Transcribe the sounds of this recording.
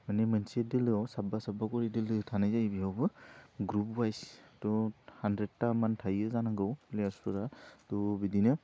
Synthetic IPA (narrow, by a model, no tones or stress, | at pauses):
manemɯnsedɯlɯawsabasabakɔɾidɯlɯtʰanajzajbiɦawbɯɡɾupwajstɔhandɾed̚tamantʰajɯzanaŋɡɯwplejaɾsɯɾatɔbidinɯ